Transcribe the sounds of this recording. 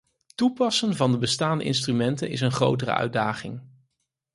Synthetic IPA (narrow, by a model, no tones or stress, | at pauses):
tupɑsənvɑndəbəstaːndə̰ʔɪ̰nstrymɛntənɪ̰s̬ənχro̰wtərə̰ʔœ̰ɥdaːχɪŋ